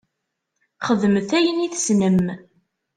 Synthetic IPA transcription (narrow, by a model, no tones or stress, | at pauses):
χəðmθæjəniθsnəm